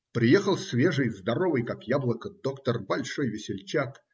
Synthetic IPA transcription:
pɾʲɪjexəlˠsʲvʲeʐɨjzd̪ɐɾovɨjkakjablˠəkəd̪okt̪ərbɐlʲʂojvʲɪsʲɪlʲt͡ɕak

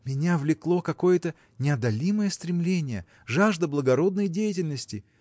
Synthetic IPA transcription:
mʲɪnʲavlʲɪklˠo̞kɐko̞jət̪ə | nʲɪɐd̪ɐlʲiməjəst̪ɾʲɪmlʲenʲɪjə̰ | ʐaʐd̪əblˠəɡɐɾo̞d̪nəjdʲejɪtʲɪlʲnəsʲtʲɪ

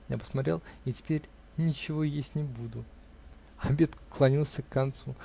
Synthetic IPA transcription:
ja̰pə̥smɐt̪ʲɾʲelˠɪtʲɪ̥pʲeɾʲ | nʲɪt͡ɕɪvo̞jesʲtʲnʲɪbud̪ʊ | ɐbʲe̞t̪klˠɐnʲilˠsʲəkːɐnt̪su

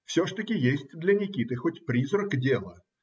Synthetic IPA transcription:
fsʲoʐt̪əkʲɪjesʲtʲd̪lʲɐnʲɪkʲit̪ɨxotʲpɾʲizrəkdʲelˠə

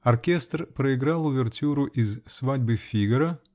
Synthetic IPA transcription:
ɐrkʲest̪rpɾəɪɡɾalˠʊvʲɪrtʲuɾʊʔɪzsvadʲbɨfʲiɡəɾə

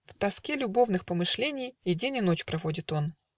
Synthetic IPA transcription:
ft̪ɐskʲelʲʊbo̞vnɨxpəmɨʂlʲenʲɪjɪdʲenʲɪno̞t͡ɕpɾɐvo̞dʲɪt̪o̞n

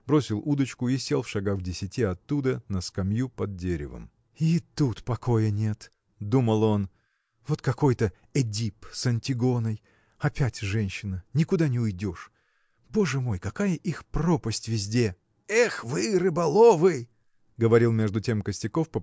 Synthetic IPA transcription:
bɾo̞sʲɪlˠud̪ət͡ɕkʊisʲelˠfʂɐɡaxdʲɪsʲɪtʲiɐt̪ːud̪ənəskɐmjupɐd̪̚ːʲeɾʲɪ̰və̰m | it̪ut̪pɐko̞jənʲe̞t̪ | d̪uməlˠo̞n | vo̞t̪kɐko̞jt̪ə | ɛdʲipsɐnʲtʲɪɡo̞nəj | ɐpʲætʲʐɛnʲɕːɪnənʲɪkʊd̪anʲɪʊjdʲo̞ʂ | bo̞ʐɨmo̞jkɐkajəʔixpro̞pəsʲtʲvʲɪzʲdʲe̞ | ɛxvɨrɨbɐlˠovɨ | ɡəvɐɾʲilˠmʲe̞ʐd̪ʊtʲe̞mkəsʲtʲɪko̞fpə

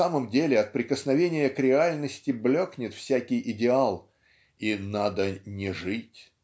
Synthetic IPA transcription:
aməmdʲelʲɪɐt̪̚pɾʲɪkəsnɐvʲenʲɪjəkɾʲɪalʲnəsʲtʲɪblʲoknʲɪt̪fsʲækʲɪjɪdʲɪalˠ | inad̪ənʲɪʐɨtʲ

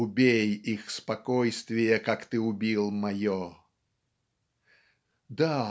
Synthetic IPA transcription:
ʊbʲejixspɐkojst̪vʲɪjəkakt̪ɨʊbʲilˠmɐjo | d̪a

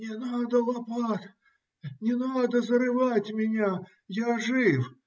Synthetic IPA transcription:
nʲɪnad̪əlˠɐpat̪ʲ | nʲɪnad̪əzəɾɨvatʲmʲɪnʲa | jaʐɪw

